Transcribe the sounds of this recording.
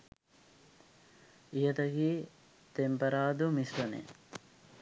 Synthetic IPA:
jɐd̪ɐɡi | t̪empɐɾaːd̪umisʋɐnḛ

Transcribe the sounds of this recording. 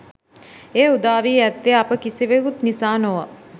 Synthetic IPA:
eːud̪aːʋiːæt̪ːeapəkisiʋekut̪nisaːnoʋa

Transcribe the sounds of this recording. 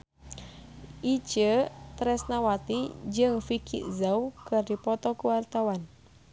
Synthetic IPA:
ʔid͡ʒət̪ɾɛsnawat̪id͡ʒɨŋfikʰḭʔzaukərdipɔt̪ɔkuwart̪awan

